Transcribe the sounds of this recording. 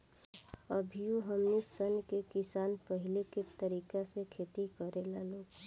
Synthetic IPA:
əbʱijoɦəmnisənkekɪsaːnpəɦɪleket̪əɾiːkasekʰeːt̪ikəɾelaloːɡ

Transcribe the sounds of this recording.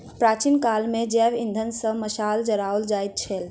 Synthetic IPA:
pɾaːt͡ʃinkalmẽd͡ʒɛːʋĩnd̪ʱənsə̃məsaːld͡ʒəɾaold͡ʒaːit̪̚t͡ʃʰɛl

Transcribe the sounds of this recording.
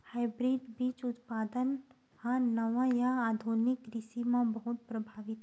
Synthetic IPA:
haːɪbɾiːɖbiːt͡ʃʊt̪paːd̪ən | hanɐʋãjaaːd̪ʱunɪkɾɪsimãbɐɦʊt̪̚pɾɐbʱaːʋɪt̪ɦɛ

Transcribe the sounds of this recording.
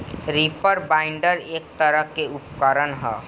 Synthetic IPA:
ɾipəɾbaːɪ̃ɳɖəɾeːk̚t̪əɾəɦkeʊpkəɾənɦɛː

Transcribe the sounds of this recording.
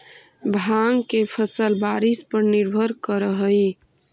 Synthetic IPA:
bʱaŋkepʰəsəlbaɾispəɾniɾbʱəɾkəɾəɦəj

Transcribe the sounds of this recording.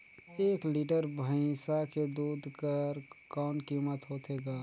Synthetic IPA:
eːkliːʈəɾbʱə̃ɪ̃saked̪uːd̪ʱkəɾkɔːnkiːmət̪ɦoːt̪eɡaː

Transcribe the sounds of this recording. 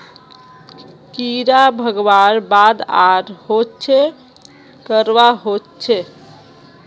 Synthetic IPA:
kiɾabʱəɡʋaɾbad̪aɾhott͡ʃʰɛ | kəɾʋaɦott͡ʃʰɛ

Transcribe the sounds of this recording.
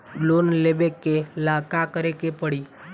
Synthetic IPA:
lonlebekːelaːkakəɾekepəɽi

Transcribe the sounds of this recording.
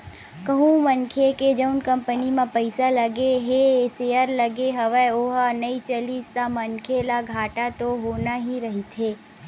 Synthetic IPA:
kəɦũmənkʰeked͡ʒəʊnkɐ̃mpənimãpəɪsaləɡeɦesejəɾləɡeɦɐʋəoːɦnəit͡ʃəlist̪amənkʰelaɡʱaːʈat̪oɦoːnaɦiɾɐɦit̪ʰeː

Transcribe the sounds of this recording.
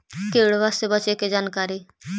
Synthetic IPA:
keːɽʋasebət͡ʃeked͡ʒaːnkaːɾiː

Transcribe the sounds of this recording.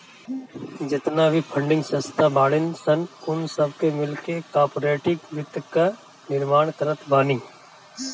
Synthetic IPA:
d͡ʒɪt̪nabʱipʰəɳɖɪ̃ŋɡsə̃st̪ʰabaːɽɪnsənʊnsəb̚kemɪlkekaːɾpoːɾeːʈɪkʋɪt̪ka | nɪɾmaːɳkəɾət̪ʰbaːniː

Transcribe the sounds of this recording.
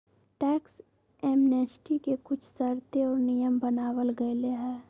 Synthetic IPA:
ʈɛːks | ɛːmneːt͡ʃʈikekʊt͡ʃʰsɐɾt̪eɔːɾnijəmbənaːwəlɡɐeleɦɛː

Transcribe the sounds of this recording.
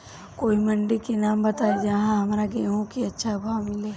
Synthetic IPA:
koːimɐɳɖikenaːmbɐt̪aːid͡ʒaɦãɦɐmɾaɡeɦõkiɐtːʃʰabʱaːwmɪleː

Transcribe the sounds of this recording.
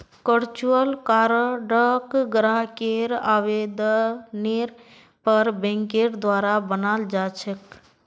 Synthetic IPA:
kəɾt͡ʃuəlkaɾəɖəkɡɾaɦkeɾaʋed̪neɾ | pəɾbẽŋkeɾd̪waɾabənald͡ʒat͡ʃʰək

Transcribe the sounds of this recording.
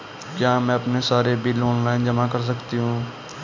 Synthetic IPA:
kjaːmɛ̃ɐpnesaːɾebɪloːnlaːɪnd͡ʒɐmakɐɾs̬ɐkt̪iɦũː

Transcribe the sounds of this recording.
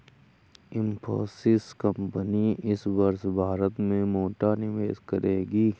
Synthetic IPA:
ɪ̃mpʰo̰ːsɪskəmpəniɪsbɐɾsbʱaːɾət̪mẽmoːʈanɪʋeːʃkɐ̰ɾeːɡiː

